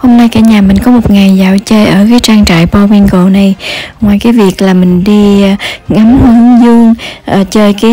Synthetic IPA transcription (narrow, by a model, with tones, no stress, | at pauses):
ho˧wmna˧jkaː˧˩ɲaː˨˩mï˨˩ŋ̟kɔ˨˦mo˨˩t̚ŋa˨˩jzaː˧˩wt͡ɕəː˧jʔəː˧˩kaː˨˦jt͡ɕaː˧ŋt͡ɕa̰ː˧˨jpɔ˧wi˧nko̰˧˨na˨˩jŋwaː˨˩jkaː˨˦jvi˨˩ək̚laː˨˩mï˨˩ŋ̟ɗi˧ŋa˨˦mhɨ˨˦ŋzɨ˧əŋʔːt͡ɕəː˧jkaː˨˦